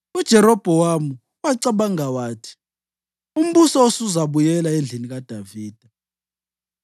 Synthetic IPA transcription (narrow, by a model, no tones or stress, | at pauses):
ud̥ʒ̥ʱɛɾɔb̥ʱɛwamu | waǀaɓaŋawaːtʰi̥ | um̩ɓusɔosuzaɓujɛlaend͡ɮʱinik̬ad̥ʱaviːd̥ʱa